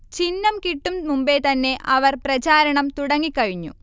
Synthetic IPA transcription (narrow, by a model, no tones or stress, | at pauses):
t͡ɕinːɐmkiʈːummumbet̪ɐnːe̞ʔɐʋɐrprɐt͡ɕaːɾɐɳɐmt̪uɽɐŋːikːɐɻiɲːṵ